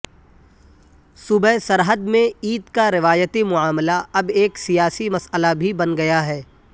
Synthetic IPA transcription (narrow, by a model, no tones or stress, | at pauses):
sʊbəsɐɾɦəd̪mẽiːd̪kaɾɪʋaːjət̪emʊaːməlaɐbeːksijaːsimɐsəlabʱibɐnɡɐjaɦɛː